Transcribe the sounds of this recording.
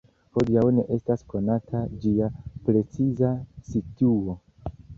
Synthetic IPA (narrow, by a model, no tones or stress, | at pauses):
ho̞diawne̞ʔe̞stasko̞natʰad͡ʒiapɾe̞t͡sizasituo̞